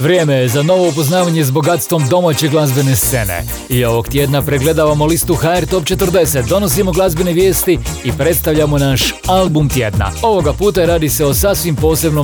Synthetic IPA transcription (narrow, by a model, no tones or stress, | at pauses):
ʋɾjeːmejezano̞ʋo̞up̬o̞znaːʋaɲe̞zbo̞ɡat̪st̪ʋo̞md̪o̞maːt͡ɕe̞ɡlˠazbe̞ne̞st̪se̞̰nḛ | io̞ʋo̞ɡt̪jed̪napɾeɡle̞d̪aʋamo̞list̪uxaːeɾt̪o̞p̚t͡ʃe̞t̪ɨrd̪e̞set̪̚d̪o̞no̞s̬imo̞ɡlˠazbe̞neʋje̞ːst̪iipɾe̞t̪st̪aʋʎamo̞naʃalbumt̪je̞d̪na̰o̞ʋo̞ɡapuːt̪aɾaːd̪iseo̞sasʋimpo̞ːse̞bno